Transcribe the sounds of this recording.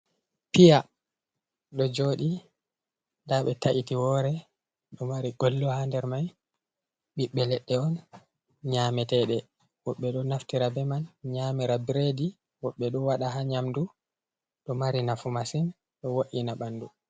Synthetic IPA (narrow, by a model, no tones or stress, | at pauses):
pija | ɗɔd͡ʒoɗi | ndaɓɛtaʔitiwɔɾɛ | ɗɔmaɾiɡɔlːɔhandɛɾmaj | ɓiɓːɛlɛɗːɛɔn | ɲamɛtɛɗɛ | wɔɓːɛɗɔnaftiɾabɛmanɲamiɾabiɾedi | wɔɓːɛɗɔwaɗaɦaɲamdu | ɗɔmaɾinafumasin | ɗɔwoʔinaɓanːdu